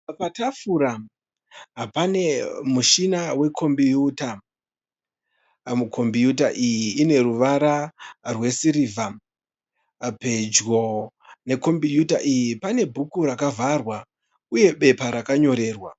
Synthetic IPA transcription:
patafuɾa | ɦapane̞muʃinawe̞kʰo̞mbijuːta | mukʰo̞mbijut̬aʔijiːne̞ruʋaɾarwe̞siɾiːvʱa | pe̞d͡ʒɣo̞ | ne̞ko̞mbijuta̰ʔijipane̞bʱukuɾakavʱarwa | uje̞ɓe̞paɾakaɲo̞ɾe̞ːrwa

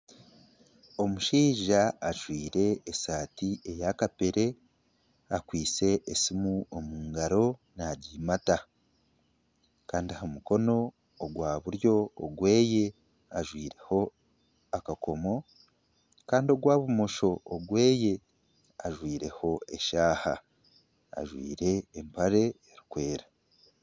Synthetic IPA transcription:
o̞muʃiːʒaːʒwiːɾe̞ːsaːtie̞jakape̞ɾe̞ | akwiːt͡se̞ʔːsimuomuːŋɡaɾo̞ | naɟiːmata | kaːndiahamuko̞no̞ː | ɡwaːβuɾjo̞ːɡwe̞ːje̞ | aʒwiːɾe̞ho̞ | akako̞mo̞ | kaːndio̞ɡwaːβumo̞ʃo̞ːɡwe̞ːje̞ | aʒwiːɾe̞ho̞e̞ʃaːha̰ː | ʒwḭːɾe̞ːmpaɾe̞eɾikwe̞ːɾa

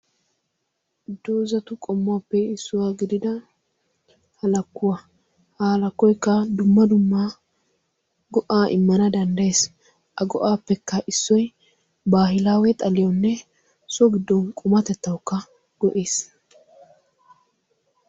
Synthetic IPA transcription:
d̪ːoːzɐt̪ʊkʼɔmːʊwaːpːɛɪsːʊwaːɡɪd̪ɪd̪ɐ | hɐlɐkːʊwa | hɐhɐlɐkːɔjkːɐd̪ʊmːɐd̪ʊmːa | ɡɔʔaːʔɪ̰mːɐnɐd̪ɐnd̪ɐjeːs | ʔɐɡɔʔaːpːɛkːɐʔɪsːɔj | baːɦɪlaːwɛt̪ʼɐlɪjɔnːɛ | sɔɡɪd̪ːɔnkʼʊmɐt̪ɛt̪ːɐwkːɐ | ɡ̥ɔʔeːs

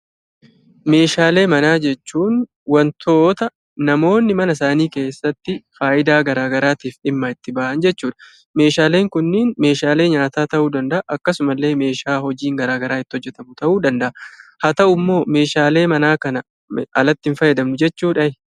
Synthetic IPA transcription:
me̞ːʃaːle̞ːmɐnaːd͡ʒɛt͡ʃːuːn | wɐnt̪ʰo̞ːt̪ɐː | ɐmo̞ːnːɪmɐnɐs̬aːniːke̞ːsːɐt̪ːɪfaːʔɪd̪aːɡɐɾaːɡɐɾaːt̪iːfɪmːɐɪt̪ːɪbɐːʔɐnd͡ʒɛt͡ʃːuːᶑɐ̥ | me̞ːʃaːleːŋkʊnːɪnme̞ːʃaːle̞ːɲaːt̪aːt̪ɐʔuːd̪ɐnd̪ɐʔɐʔɐkːɐsʊmɐlːe̞ːme̞ːʃaːhɔd͡ʒiːŋɡɐɾaːɡɐɾaːɪt̪ːɪhɔd͡ʒːɛt̪ɐmʊt̪ɐʔuːd̪ɐnd̪ɐʔɐhɐt̪ɐʔʊmːo̞ːme̞ːʃaːle̞ːmɐnaːkɐnɐ | ʔɐlɐt̪ːɪnfɐjɛd̪ɐmnʊd͡ʒɛt͡ʃːuːᶑɐɪ

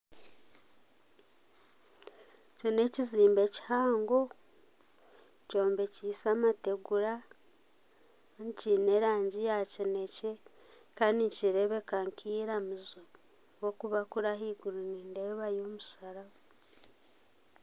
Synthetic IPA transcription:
cine̞ciziːmbe̞ci̥haːŋɡo̞ | co̞ːmbe̞cisamate̞ɡuɾa | ncine̞ɾaːɲɟijacinece | kaːndiɲciɾeβe̞kaŋkʰiːɾamuzo | wo̞kuβakuɾaɦiɡuɾiniːnde̞ːβajoːmusaɾaβa

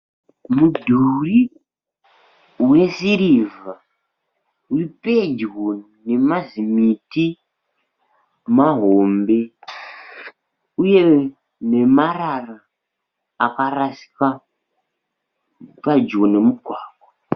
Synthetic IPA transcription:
mudʱuri | we̞siɾiva | uriped͡ʒwo | ne̞mazimiti | maɦombe̞ | uje̞ | ne̞mararaː | karasi̥ka | pad͡ʒɣone̞muɡʱwaːɡwa

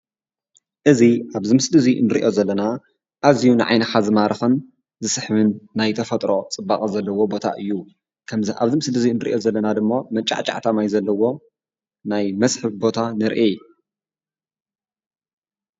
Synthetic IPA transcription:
ʔɨziʔaβzɨmɨsdɨzinɨɾiʔo̞zɐlːɐna | ʔazijunɨʕa̰jnɐxazɨmaɾɐxɨn | zɨsɨħβɨnːajt̪ʰɐfɐt̪ʼɾo̞t͡sʼɨbːaχʼɐzɐlːɐwo̞bo̞t̪ʰa̰ʔɨjːu | kʰɐmzʔa̰βzɨmsdɨzinɨɾiʔo̞zɐlːɐnad̪ɨmːomɐt͡ʃʼːa̰ʕt͡ʃʼa̰ʕt̪ʰamajzɐlːɐwo̞ | najmɐsħɨβbo̞t̪ʰanɨɾʔej

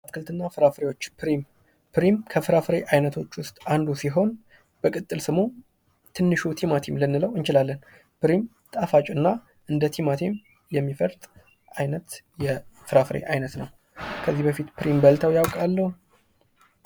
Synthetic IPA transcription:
at̪kʰɨlt̪ɨnːafɨɾafɾe̞jo̞t͡ʃːpʰɾim | pʰɨɾimkʰəfɨɾafɾe̞ʔajnət̪ʰo̞t͡ʃːwʊst̪ʼand̪usiɦo̞n | b̥əkʼɨt̪ʼːɨlsɨmo | t̪ʰɨnːɨʃut̪ʰimat̪ʰimlɨnːɨləwɨnt͡ʃɪlalːən | pɨɾim | t̪ʼafat͡ʃʼɨnːa | ʔɨnd̪ət̪ʰimat̪ʰim | jɛmːifəɾt̪ʼ | ʔajnət̪jɛfɨɾafɨɾḛʔajnət̪nəw | kʰəzːihbəfit̪pɾimbəlt̪ʰəwjawkʼalːəhu

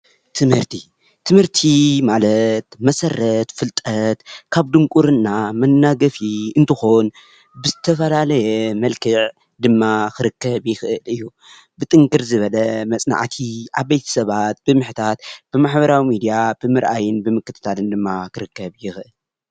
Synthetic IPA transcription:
t̪ʰɨmhɨɾt̪ʰi | t̪ʰɨmhɨɾt̪ʰimalɐt̪mɐsɐrːɐt̪fɨlt̪ʼɐt̪kʰaβd̪ɨŋkʼuɾɨnːamɐnːaɡɐfiɨnt̪ʰɨxo̞n | bɨzɨt̪ʰɐfɐlalɐjɛmɐlkʰɨʕ | d̪ɨmːakʰɨɾɨkʰːɐβjɪxʔɨɨlɨjːu | bɨt̪ʼɨŋkʼɨɾzɨβɐlɐmɐt͡sʼna̰ʕt̪ʰiʔaβːejt̪ʰɐ̥sɐβat̪̚b̥ɨmɨħt̪ʰat̪b̥ɨmaħbɐɾawimid̪ijab̥ɨmɨɾʔa̰jɨnbɨmɨkːɨt̪ʰɨ̥t̪ʰalɨnd̪ɨmːakɨɾɨkːɐβjɪxʔɨl

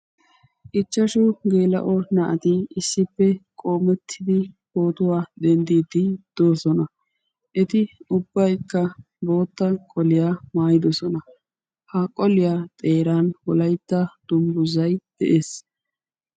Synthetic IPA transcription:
ʔɪt͡ʃːɐʃʊɡeːlɐ̰ʔɔnɐʔɐt̪ɪɪsːɪpːɛkʼo̞ːmɛt̪ʰːɪd̪ɪho̞ːt̪ʊwaːd̪ɛnd̪iːd̪ɪd̪̥o̞ːsɔnɐ | ʔɛt̪ɪʊbːɐjkːɐ | bo̞ːt̪ːɐkʼɔlɪjaːmaːjɪd̪ɔsɔnɐ | hɐkʼɔlɪjaːt̪ʼe̞ːɾaːnwɔlɐjt̪ːɐd̪̥ʊmbʊzɐjd̪̥ɛ̰ʔeːs

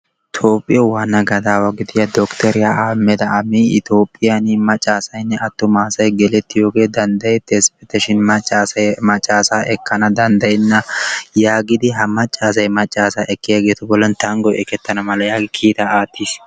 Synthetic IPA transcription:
t̪ʰo̞ːpʼːɪjɔwaːnɐɡɐd̪aːwaɡɪd̪ɪjad̪ɔkt̪ɛɾɪjaʔaːmːɛd̪ɐɐmiɪt̪o̞ːpʼːɪjanimɐt͡ʃʼːaːsɐjnːɛɐt̪ːʊmaːsɐjɡɛlɛt̪ːɪjoːɡe̞ːd̪ɐnd̪ɐjɛt̪ːeːspɛt̪ːɛʃɪnmɐt͡ʃʼːaːsɐjmɐt͡ʃʼːaːsaːʔɛkːɐnɐd̪ɐnd̪ɐjnːɐjaːɡɪd̪ɪɦɐmɐt͡ʃʼːaːs̬ɐjmɐt͡ʃʼːaːsaːʔɛkːɪjaːɡeːt̪ʊbɔlːɐnt̪ɐŋɡɔjʔɛkɛt̪ːɐnɐmɐlɐjaːɡɪkʰiːt̪ɐaːt̪ːis

